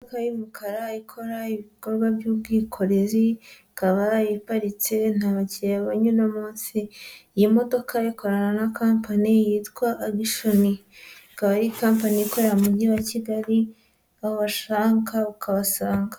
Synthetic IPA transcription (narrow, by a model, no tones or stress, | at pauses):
kajimukʰaɾaikʰo̞ɾaiβiko̞ɾɡwabjuːb̚ɡiːkʰo̞ɾe̞zi | kaβajipaɾit͡sen̥haːβaciaβaɲunamuːnsijimo̞do̞kʰajiko̞ɾananakaːmpanijitkwaʔːɡiʃonikaβajikampaniiko̞ɾaamuɟiwaciɡaɾi | ahoβaʃaːŋkaukʰaβasaːŋɡa